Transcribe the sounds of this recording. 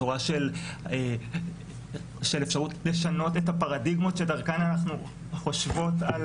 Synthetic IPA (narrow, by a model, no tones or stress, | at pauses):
oʁaʃele | ʃe̞lefʃaʁutleʃano̞tethapaʁadiɡmo̞tʃedaʁkananaχnu | χoʃvo̞tal